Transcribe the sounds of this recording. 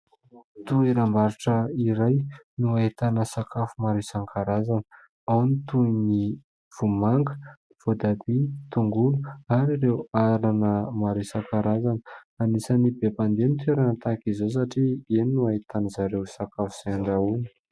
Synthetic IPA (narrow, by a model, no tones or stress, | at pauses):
t̪ueɾambaɾiʈ͡ʂəiɾajnuaet̪anəsakafumaɾesaŋkʰaɾazanə | awnit̪uni | v̥umaŋɡə̥ | v̥od̪ad̪it̪uŋɡuluaɾirewaɾanəmaɾisaŋkaɾazanə | anisanibepand̪enit̪ʰeɾanət̪akizos̬aʈ͡ʂiennuaet̪anəzaɾewsakafu̥z̥aaɳɖ͡ʐauni̥